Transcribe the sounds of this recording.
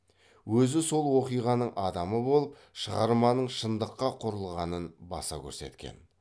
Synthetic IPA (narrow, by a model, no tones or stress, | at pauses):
wɵzɪso̞lˠwo̞qijʁɑnəɴʔɑd̪ɑməbo̞lˠəp̚ | ʃəʁɑɾmɑnəɴʃənd̪əqːɑqʰʊɾəlˠʁɑnənbɑ̰sɑ̰kʲʰɵ̰ɾse̞̰t̪kʲe̞̰n